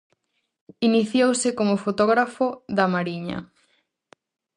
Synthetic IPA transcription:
iniθjowsɪkomofot̪ɔɣɾafoðamaɾiɲɐ̰

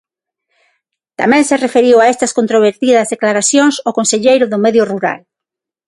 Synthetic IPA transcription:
t̪a̰mɛ̃ŋserefeɾiwaest̪ɐskont̪ɾoβ̞eɾt̪iðɐzðeklaɾaθjoŋsokonseʎejɾʊðʊmɛðjʊruɾa̰l

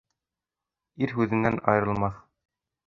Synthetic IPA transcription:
iɾɦʉðɘ̆nːænɑ̰jɤ̆ɾɤ̆lˠmɑθ

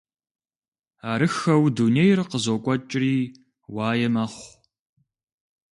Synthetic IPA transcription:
aːɾɨxɐwdunejrɨqəzoːkʷʼɔt͡ʃʼɪriː | waːjɛmɐχʷ

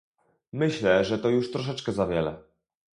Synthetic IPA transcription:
mɘɕlɛʐɛt̪ɔjuʂt̪ɾɔʂ̬ɛt͡ʂkɛzavʲjɛlɛ̰

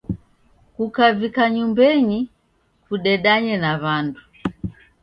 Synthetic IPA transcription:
kukavikaɲumbɛɲi | kuɗɛɗaɲɛnaβandu

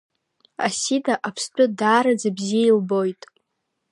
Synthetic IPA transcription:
asidʰaʔapʰst͡pʰʼᶣʊdaːɾad͡zabzijeilbo̞jtʼ

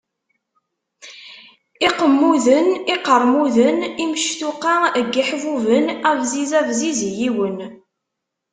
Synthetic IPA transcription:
iqəmːuðəniqəɾˤmuðənimʃt̪uqɑəɡːiħvuvənævzizævzizjiwən

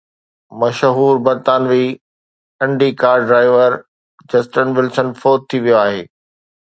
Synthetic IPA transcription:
mɐʃɦuːɾbɐɾt̪aːnʋiː | ɐ̃ɳɖikaːɾɖɾaːɪʋəɾ | d͡ʑɐsʈənʋɪlsənfoːt̚t̪ʰːiʋijoaːɦeː

